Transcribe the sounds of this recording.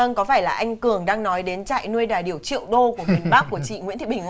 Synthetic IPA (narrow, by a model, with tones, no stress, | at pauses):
ə˧nkɔ˨˦faː˧˩jlaː˨˩ʔa˧jŋ̟kɨ˨˩əŋɗaː˧ŋnɔ˨˦jɗe˨˦nt͡ɕa̰ː˧˨jnu˧əjɗaː˨˩jɗi˨˩əwt͡ɕḭ˧˨əwɗo˧ku˧˩əmwi˨˩ənɓaː˦˥k̚ku˧˩ət͡ɕḭ˧˨ŋwḭ˧˥nt̪ʰi˧˨˩ɓï˩ŋ